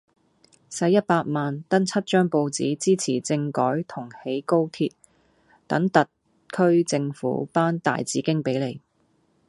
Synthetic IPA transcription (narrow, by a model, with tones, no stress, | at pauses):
sɐ˨˧˥jɐ˥t̚paː˧t̚maː˨nt̪ɐ˥nt͡sʰɐ˥t̚t͡ʃœː˥ŋpo˧wt͡siː˨˥t͡siː˥t͡sʰiː˨˩t͡sɪ˧ŋkɔː˨˥jt̪ʰʊ˨˩ŋhe˨˥jko˥wt̪ʰiː˧t̚ | t̪ɐ˨˥ŋt̪ɐ˨t̚ | kʰɵ˥ɥt͡sɪ˧ŋfṵ˨˥paː˥nt̪a̰ː˨jt͡siː˨˥kɪ˥ŋpe˨˥jle˨˩j